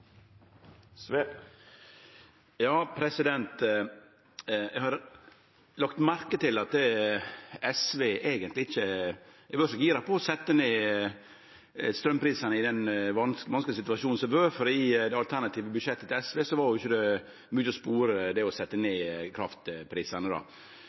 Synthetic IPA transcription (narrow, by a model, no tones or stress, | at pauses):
jɑːpʰɾɛsɪd̪ɛnt̪ | jɛɡhɑɾ | lɑkt̪mæɾkət̪ʰɪlɑt̪ | ɛsʋeːʔeːɡənt̪lɪɪçːə | ɛʋøːʂɔɡiːɾɑpʰɔːsɛt̪ːəneː | st̪ɾœmpɾiːsɑnəɪd̪ɛnʋɑnskʋɑnsklɪəsɪt̪ʉʋɑʃuːn̩sɔʋøːfɔɾid̪ɛɑlt̪ʰæɾnɑt̪ʰiːʋəbʉʂɛt̪ːət̪ɪɛsʋeːsɔʋɑɾjʊɪçːəd̪ɛ | mʉːəɔspuːɾəd̪ɛɔsɛt̪ːəneːkʰɾɑft̪pʰɾiːsɑnəd̪ɑ̰